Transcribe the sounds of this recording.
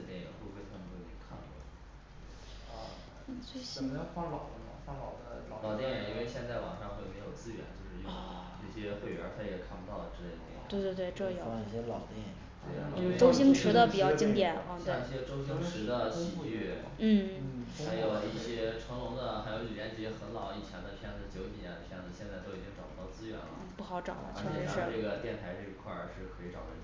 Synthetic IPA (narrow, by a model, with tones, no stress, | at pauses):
t̪jɛ˥˩jɛ̰˨˩pwu˥˧xwe˥˧ɪt̪ʰə˥˩m˧˥w̪i˧˩kʰa˥˩ŋɔ̰˥˩˧ | swe˥ɕfa˥lɑ˨˩ʊd̪ə˦m˧˩a˥lɑ˨˩ʊd̪ə˨˩lɑ˨˩ʊt̪jɛ˥˩jɛ˨˩i˥nwe˥˧ɪɕjɛ˥˧nt͡sa˥˩ɪwɑ̰˨˩ŋʂɑ˥˧ŋxwe˥˩ɪme˧˥ɪjo˨˩ʊt͡sɹ̩˥˧ɥɛ̰˧˥nt͡ɕjo˥˧ʊʂɻ̩˥˧jʊ˥˧ | nɤ˥˩ɕjɛ˥xwe˥˩ɪwɥɛ̰˧˥t̪ʰa˥jɛ˨˩kʰa˥˩pu˧˥t̪ɑ˥˩ʊ˩ʈ͡ʂɻ̩˥t̪e˧˥˩t̪ɛ̰˥˩˨we˥˧ɪt̪wt̪we˥˩ɪʈ͡ʂɤ˥˩jo˨˩˦i˥˩ɕjɛ˥lɑ˨˩ʊt̪jɛ˥˩ɛ̰˨˩˦ʈ͡ʂo˥ʊɕi˥ŋʈ͡ʂʰɻ̩˧˥d̪ə˧pi˨˩t͡ɕjɑ˥˩ʊt͡ɕi˥ŋt̪jɛ˨˩˦n̩˥˧ji˥˩ɕjɛ˥ʈ͡ʂo˥ʊɕi˥ŋʈ͡ʂʰɻ̩˧˥d̪ə˧ɕi˥pu˥˧y˥˩ | n̩˥˩˥xa˧˥ɪjo˨˩ʊi˥˩ɕjɛ˥ʈ͡ʂʰwɤ˧˥ŋlʊ˧˥ŋd̪ə˧xa˧˥ɪjo˧˥ʊli˨˩jɛ˧˥nt͡ɕi˧˩ɛ˥xə˧˥nlɑ˨˩ʊ˧i˨˩t͡ɕʰjɛ˧˥nd̪ə˧˩pʰjɛ˥˧n˧ʂɻ̩˥˩t͡ɕjo˧˥ʊt̪i˨˩˧n˨˩pʰjɛ˥˩nd͡z̩˨˩ɕjɛ˥˧nt͡sa˥ɪt̪o˥ʊi˨˩t͡ɕi˥ŋʈ͡ʂɑ˨˩ʊpu˥t̪ɑ˥˩ʊt͡sɹ̩˥ɥɛ̰˧˥nl̰ə̰˦˩pu˥˩xɑ˧˥ʊʈ͡ʂɑ˨˩ʊlə̰˦t͡ɕʰo˥ɛ˨˥ɻ̩˥ʈ͡ʂɤ˥˩ɡə˩t̪jɛ˥˩nt̪ʰa˧˥ɪʈ͡ʂɤ˥˩i˧˥kʰwa̰˥˩ʂɻ̩˥˩kʰɤ˧˥i˧˥ʈ͡ʂɑ˨˩ʊə̰˥˩˥